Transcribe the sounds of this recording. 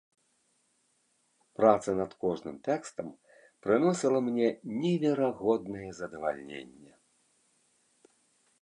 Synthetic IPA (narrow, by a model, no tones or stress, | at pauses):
pɾat̪sɐnɐt̪kɔʐnɨmt̪ɛkst̪ɐm | pɾɨnɔsʲilˠɐmnʲɛnʲɛvʲɛɾaɣɔd̪nɐjɛzɐd̪ɐva̰lʲnʲḛnʲːɛ